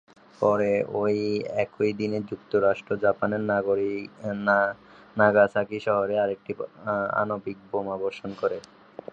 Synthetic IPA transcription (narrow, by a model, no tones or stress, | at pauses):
pɔɾeojɛkojd̪ined͡ʑukt̪oɾaʃʈɾod͡ʑapaneɾnoɾi | naɡasakiʃɔɦoɾeaɾek̚ʈia̰nobik̚bomaboɾʃonkoɾe